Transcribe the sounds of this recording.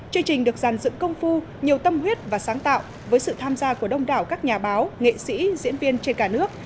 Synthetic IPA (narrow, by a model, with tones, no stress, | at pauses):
t͡ɕɨ˧əŋt͡ɕï˨˩ŋ̟ɗɨ˨˩ək̚zaː˨˩nzɨ̰˧˨ŋkə˧wŋ͡mfu˧ | ɲi˨˩əwt̪ə˧mɦwi˦˥ət̚vaː˨˩saː˨˦ŋt̪a̰ː˧˨w | vəː˨˦jsɨ̰˧˨t̪ʰaː˧mzaː˧ku˧˩əɗə˧wŋ͡mɗa̰ː˧˩wkaː˦˥k̚ɲaː˨˩ɓaː˨˦wŋḛ˧˨sḭ˧˥zḭ˧˥ənvi˧ənt͡ɕe˧nkaː˧˩nɨ˦˥ək̚